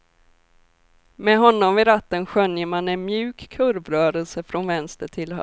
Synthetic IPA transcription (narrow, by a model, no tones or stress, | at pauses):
mɛɦɔnːɔmvɪɾat̪ːənɧœnjəmanɛnmjʉ̟ːkkʰɵɾvɾœːɾəlsəfɾɔnvɛnst̪əʈʰɪlh